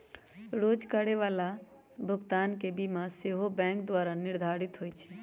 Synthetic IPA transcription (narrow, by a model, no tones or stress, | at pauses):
ɾod͡ʒkaɽeʋala | bʱʊɡt̪ankebimaseɦobɛ̃kd̪ʋaɾaniɾd̪ʱaɾit̪ɦojt͡ʃʰɛ